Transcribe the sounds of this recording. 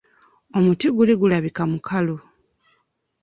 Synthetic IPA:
o̞mutiɡuliɡulaβikamukʰalo

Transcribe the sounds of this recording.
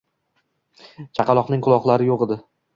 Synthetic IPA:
t͡ʃʰɑqʰɑlˠɒqnɪŋqʰʊlˠɒχlˠaɾɪjoʁɨd̪ɪ

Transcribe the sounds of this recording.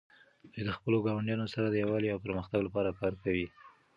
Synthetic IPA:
d̪ijd̪əxpəloɡɑwaɳɖjɑnosaɾad̪əjawɑleawpəɾməxt̪aɡlapɑɾakɑɾkawi

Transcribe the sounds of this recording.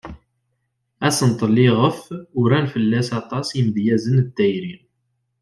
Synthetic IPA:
æsənt̪ˤəlːɪʁəfʊɾænfəlːæsɑt̪ˤɑsiməd̪jæzənd̪ːæjɾin

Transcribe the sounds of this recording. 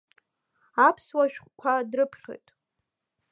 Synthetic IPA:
apʰswaʃᶣχʷkʷʰadrɨpʰχʲḛjtʼ

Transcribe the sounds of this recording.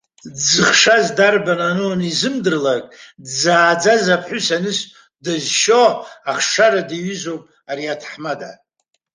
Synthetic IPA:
d͡zɨχʂazdarbananɨanizɨmdɨrlakʼdzaːd͡zazapʰħʊsanɨs | dazʃoaχʂaɾadiɥʏzowpʼ | aɾiatʰħmada̰

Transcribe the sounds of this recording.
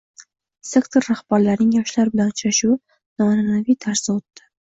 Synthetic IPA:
se̞kt̪ʰoɾːahbaɾlaɾnɪŋjɒʃlaɾɪbɪlanʊt͡ʃaʃu | nɒnanavijt̪ʰaɾsɪot̪ːɪ̥

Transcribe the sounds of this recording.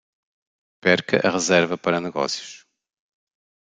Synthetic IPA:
pɛɾkɐ̰ʔɐʁɨzɛɾvɐpɐɾɐnɨɣɔ̰sjuʃ

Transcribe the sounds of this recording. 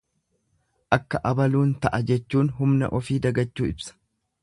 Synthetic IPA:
ʔɐkːɐʔɐbɐluːnt̪ɐʔɐd͡ʒɛt͡ʃːuːnɦʊmnɐ̰ʔɔfiːd̪ɐɡɐt͡ʃːuːɪbsɐ̥

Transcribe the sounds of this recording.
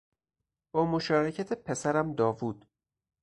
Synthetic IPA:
b̥ɒːmoʃɒːɾecʰæt̪ʰepʰe̞sæɾæmd̪ɒːvuːd̪̥

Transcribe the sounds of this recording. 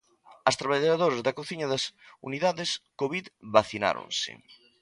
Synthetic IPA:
ɐst̪ɾaβaʎaðoɾɐzðɐkoθiɲɐðɐsṵniðaðeskoβiðβaθina̰ɾõ̰nsɪ̰

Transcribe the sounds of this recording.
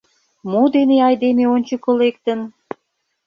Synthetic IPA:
mod̪eneɑjd̪emeonʲt͡ɕə̆kə̆lek̚t̪ə̆n

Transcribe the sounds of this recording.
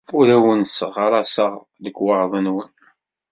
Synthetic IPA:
ʊɾæwənsəʁːəɾˤɑsəʁ | ðəkːwɑɾðˤənwən

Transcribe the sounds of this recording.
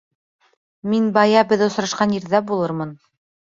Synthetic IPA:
minbɑjɑbɘ̆ðŏsɾɑʃqɑnjiɾðæbulˠɤɾmɤn

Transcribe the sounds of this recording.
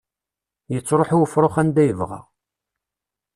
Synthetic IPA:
jət͡sːɾˤoħuwəfɾˤoχænd̪æjəvʁa̰

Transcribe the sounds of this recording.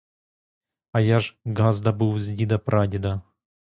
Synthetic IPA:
ɐjaʐɡazd̪ɐbɨwzʲdʲid̪ɐpɾʔadʲɪd̪ɐ

